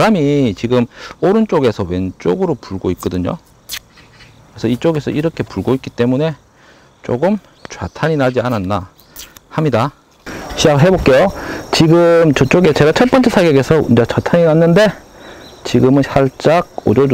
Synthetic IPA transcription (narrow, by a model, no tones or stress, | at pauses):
ɾamit͡ɕiɡɯmoɾɯnt͡ɕ͈oɡe̞sʰʌwe̞nt͡ɕ͈oɡɯɾopuɭɡoik̚k͈ʌdɯɲo̰ | kesʰʌit͡ɕ͈oɡe̞sʰʌiɾʌkʰe̞puɭɡoik͈it͈e̞mune̞ | t͡ɕ͈o̰ɡɯm | t͡ɕwatʰaɲinad͡ʑiananːa | hamɲida | ɕʰid͡ʑaɡɯɭɦe̞bok͈e̞jot͡ɕiɡɯmt͡ɕɯt͡ɕ͈oɡet͡ɕe̞ɡat͡ɕʰʌɭp͈ʌnt͡ɕʰesʰaɡeɡe̞sʰʌind͡ʑat͡ɕatʰaɲinanːɯnde̞ | t͡ɕiɡɯmɯnɕʰaɭt͡ɕ͈aɡ̚od͡ʑod͡ʑ